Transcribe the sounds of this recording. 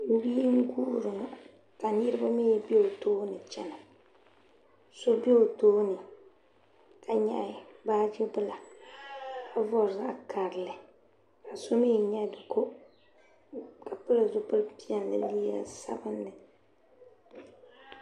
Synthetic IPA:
wiː˦ŋ̩˦ɡuː˦˨ɾɨ˨ŋ˨ | ka˨ni˦ɾɨ˦ba˦me˦be˦o˨toː˦nɨ˨t͡ʃɛ˦na˨ | so˦be˦o˨toː˦nɨ˨ | ka˨ɲɛ̰˦ɪ˨baː˦d͡ʒɪ˦bɨ˦la˨ | ka˦vɔ˨ɾza̰˦kʰa˨ɾɨ˨lɨ˨ | ka˨so˦me˦˨ɲɛ˦dʊ˨ko˦ | ka˨pɨ˦la˨zʊ˦pɨ˦lpi˦ɛ˨lːɨ̰˨liː˦a̰˦sa̰˦bɨ˦nːɨ˨

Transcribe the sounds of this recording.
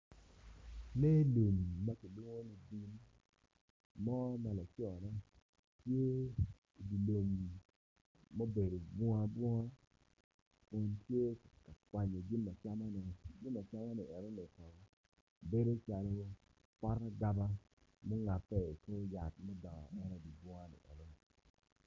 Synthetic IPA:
ne˦lo˨mː˨a˦ki˨lu˦ŋo˦ni˨ɡi˦n | mɔ˦ma˨la˨t͡ʃɔ˨nɛ˦ | tje˦ | i˨di˨lo˨m˨ | o˦be˨do˨bwɔ˦a˦bwɔ˦ŋa˦ | kʊ˨ntje˦ka˨kwa˨ɲo˨ɡi˦nma˨t͡ʃa˦ma˦nɛ˨ɡɪ˦nː˦a˨t͡ʃa˦ma˦nɛ˨ʔɛ˨ɾo˦nɛ˨kɔ˨ɡɔ˦˨ | be˦do˦t͡ʃa˨lo˦wo˦ | pɔ˦ɾa˦ɡa˦ba˦ | mo˦ŋa˨pːɛ˦˨ko˦ja˨t̚mɔ˦ɡa̰˨ɛ˦ɾɛ˨di˨bwɔ˦a˦nḭ˨ʔɛ̰˨ɾo˦nɛ˨

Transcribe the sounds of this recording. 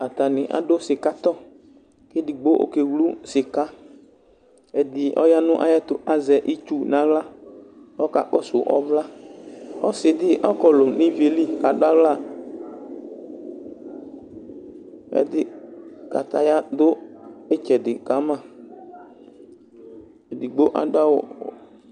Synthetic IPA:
a˨t̪a˨nɪ˨ʔa̰˨dʊ˦sɪ˨ka˦t̪ɔ˦ | ke˦di˨ɡ͡bo˦ʔo̰˦ke˨wlu˦sɪ˨ka˦ | ɛ˨d̪ɪ˨ʔɔ̰˦ja˦nʊ̃˦ʔa̰˦ja˦t̪ʊ˨ʔa˨zɛ˨ʔi˦t͡ʃu˦nã˨ɣla˦ | ɔ˦ka̰˨k͡pɔ˦sʊ˨ʔɔ̰˦vla˦ | ɔ˦sɪ˨d̪ɪ˦ʔɔ˦kɔ˨lʊ˨ni˦ve˨li˦ka˨dʊ˦a˦vla˦˨ | ɛ̰˨d̪ɪ˦ka̰˨t̪a˨ja˦d̪ʊ˦e˦t͡ʃɛ˨dɪ˨ka˨˦mã˦˨ | e˨di˨ɡ͡bo˦ʔa̰˨dʊ˦a˦wɔ˨

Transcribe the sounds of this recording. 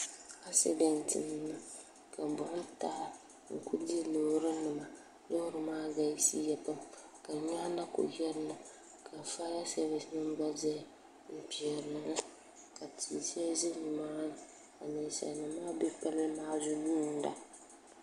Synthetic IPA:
a˦sɛ̰˦bɛ˨n˨tɨ̰˨nɨ˦na˨ | ka˨bʊ˨˦n˦ta˨˦a˨ | ŋ̩˨kʰu˦di˦lo˨ɾɨ˦nɨ˨ma˨ | lo˦hʊ˦ɾɨ˨maː˦ɡa˨i˦si˦jɛ˨pɨ˦m | ka˨ɲa˦na˦ko̰˨jɛ˦lna˨ | kʰa˨fa˦ja˦sɛ˦βɪ˨snɨ˦m˦ba˦zɛ˦ | m̩˦pi˨ɛ˨ɾnɨ˨ŋa˦ | ka˨tʰi˨si˦a˦zɪ˦ɲi˨maː˦n˨ | a˨nɛ˨sa̰˨nɨ˨maː˦bɛ˦pɛ˦lmaː˦zʊ˦duː˦˨n̩˦da̰˨

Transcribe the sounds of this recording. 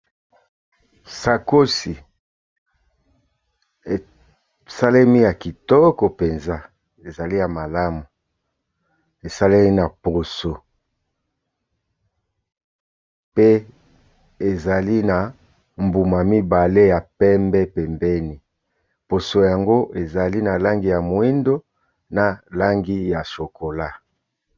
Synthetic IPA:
sa˨ko˦si˨ | sa˦le˦mi˦ja˨ki˨tɔ˦kɔ˨pe˨nza˦ | e˨za˨li˦ja˨ma˨la˦mu˨ | e˨sa˦le˦mi˦na˨po˨so˨ | pe˦ | e˨za˨li˦na˨ | mbu˨ma˨mi˦ba˨le˦ja˨pɛ˦mbɛ˦pɛ˨mbɛ˦ni˨ | po˨so˨ja˨ŋɡo˦ʔe˨za˨li˦na˨la˦ŋɡi˦ja˨mo˨i˦ndo˦ | na˨la˦ŋɡi˦ja˨ʃo˨ko˨la˦

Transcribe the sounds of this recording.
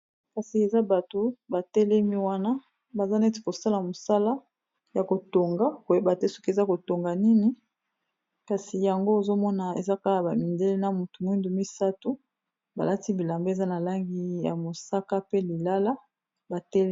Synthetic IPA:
ka˨si˨e˨za˦ba˨to˨ba˨tɛ˦le˦mi˦wa˦na˦ | ba˨za˦n˦ti̥˨ko˨sa˦la˨mo˨sa˦la˦ | ja˨ko˨to˨ŋɡa˦ko˨je˦ba˨te˦so̥˦ki˦e˨za˦ko˨to˨ŋɡa˨ni˦ni˦ | ka˨si˨ja˨ŋɡo˦e˨zo˦mɔ˦na˨ḛ˨za˦ka˦a˨ba˨mi˨nde˦le˦na˨mu˨tu˨m˨˦i˦ndu˨mi˦sa˦tu˦ | ba̰˨la˦ti˦bi˨la˨mbo˦e˨za˦na˨la˦ŋɡi˦ja̰˨mo˨sa˦ka˦pe˦li˨la˦la˦ | ba˨tɛ˦le˦

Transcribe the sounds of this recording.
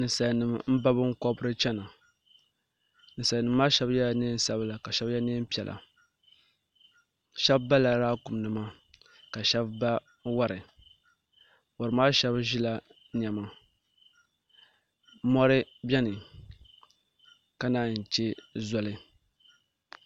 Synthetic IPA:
nɨ˨sa˨nɨ˨mm̩˦ba˦bɨ˦ŋ̩˦kɔ˦bɨ˦ɾɨ˦t͡ʃɛ˦na˨ | nɨ˨sa˨nɨ˨mː˦aː˦ʃɛ˦bja˦ne˦n˦sa˦bɨ˦la˨ka˨ʃɛ˦bjɛ˦ne˦m˦pi˨ɛ˨lʔa̰˨ | ʃɛ˦bba˦la˨ɾaː˦ku˨m˨nɨ˨ma˦ | ka˨ʃɛ˦bba˦ | wa˦ɾɨ˨ | wɔ˨ɾɨ˨maː˦ʃɛ˦bʒi˦la˨ | ɲɛ˨ma˨ | mɔ˦ɾɨ˦bʲɛ˦nɨ˨ | ka˦naː˦˨n̩˨t͡ʃe˦zɔ˦lɨ˦

